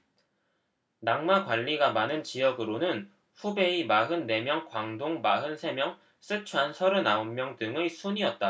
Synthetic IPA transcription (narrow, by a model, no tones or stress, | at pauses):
naŋmakwaʎːiɡamanɯnt͡ɕijʌɡɯɾonɯn | ɸube̞imaɦɯnːe̞mjʌŋkwaŋdoŋmaɦɯnsʰe̞mjʌŋ | s͈ɯt͡ɕʰuɦansʰʌɾɯnaommjʌŋdɯŋesʰuɲiʌt̚t͈a